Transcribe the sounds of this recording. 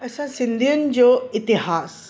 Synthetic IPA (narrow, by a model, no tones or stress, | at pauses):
ɐsãsɪ̃nd̪ʱiənɪ̆d͡ʑoːɪt̪ɪɦaːs